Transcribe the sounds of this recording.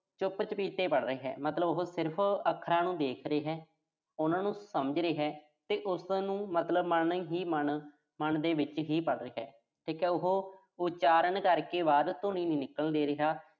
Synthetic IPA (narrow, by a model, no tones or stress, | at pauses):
t͡ʃʊpt͡ʃəpiːt̪eːpəɽɾəeːɦɛ̰ːmət̪ləbʊɦoːsɪɾpʰəkʰːɾaːnũːd̪eːkʰɾəeːɦɛː | ʊnãːnũːsəməd͡ʒɾeːɦɛː | t̪eːʔʊsnũːmət̪ləbməɳɦiːmən | məɳd̪eːʋɪt͡ʃɦiːpəɽɾeːɦɛ̰ː | ʈʰiːkɛːʊɦoː | ʊt͡ʃaːɾənkəɾkeːʋaːɾt̪ʊnĩːnĩːnɪkəld̪eːɾəɦaː